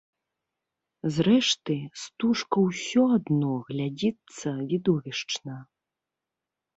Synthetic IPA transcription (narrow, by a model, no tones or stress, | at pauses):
zɾɛʂt̪ɨst̪uʂkɐwsʲɔad̪nɔɣlʲad͡zʲit̪sːɐvʲid̪ɔvʲiʂt͡ʂnɐ